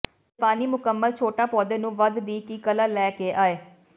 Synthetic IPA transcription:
paːniːmʊkəmːəlt͡ʃʰoːʈaːpɔːd̪eːnũːʋəd̪d̪iːkiːkəlalɛːkeːʔaːeː

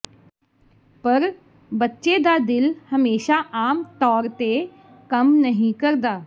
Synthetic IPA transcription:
pɐɾ | bɐtːʃed̪ad̪ɪlhɐmeːʃaʔaːmt̪ɔːɾt̪e | kɐmnɐɦĩkɐɾd̪aː

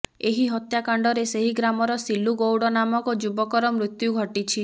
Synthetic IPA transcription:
eɦiɦɔt̪jakaɳɖɔɾeseɦiɡɾamɔɾɔsiluɡowɽɔnamɔkɔd͡ʒubɔkɔɾɔmɾut̪juɡʱɔʈit͡ʃʰi

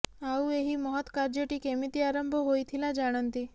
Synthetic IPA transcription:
aueɦiməɦɔt̪kaɾd͡ʒəʈikemit̪iaɾəmbʱɔɦojt̪ʰilad͡ʒaɽ̃ənt̪i

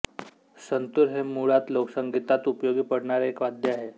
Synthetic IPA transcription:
sənt̪uɾɦemuɭat̪loksəŋɡit̪at̪upjoɡiːpəɽɳaɾeekʋad̪jəaɦe

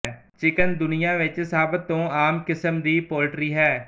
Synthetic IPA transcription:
t͡ʃɪkənd̪ʊnɪjãːʋɪt͡ʃsaːbət̪ːõːaːmkɪsəmd̪iːpoːlʈɾiːɦɛː

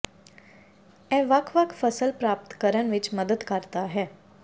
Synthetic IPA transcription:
ɛ̃ʋakʰʋakʰfəsəlpɾaːp̚t̪kəɾəɳʋɪt͡ʃməd̪əd̪kəɾt̪aɦɛː

